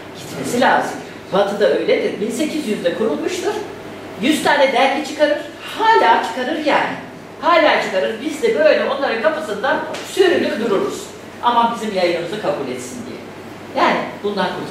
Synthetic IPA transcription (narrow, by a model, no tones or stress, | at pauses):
ɟ̥it̪me̞silʲaːzɯm | vat̪ʰɯd̪aø̞jlʲed̪iɾbinse̞cʰizjyzd̪ɛkʰoɾulˠmuʃt̪ʰɯɾ̥ | jyz̥t̪ʰaːnɛd̪ælʲcʰɛt͡ʃʰɯkaɾɯɾ̥ | haːlʲaːt͡ʃʰɯ̥kaɾɯɾjaːnɪ | haːlʲaːt͡ʃʰɯkaɾɯɾbizd̪ɛbø̞jlʲɛo̞nlˠaɾɯkʰapɯsɯnd̪ansyɾylʲyd̪uɾuɾuz̥ | a̰mabizimjajɯnɯmɯzɯkʰabulʲɛt̪sind̪ḭjɛ̰ | jaːnɪb̥und̪ankʰoɾ